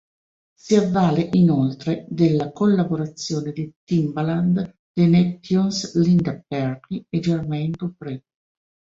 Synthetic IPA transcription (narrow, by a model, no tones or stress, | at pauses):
siavːaːleʔinolt̪ɾed̪elːakolːaboɾat̪sːjoːned̪it̪imbland̪ | d̪enet̪ːjunslind̪apɛrkied͡ʒermɛnt̪upɾi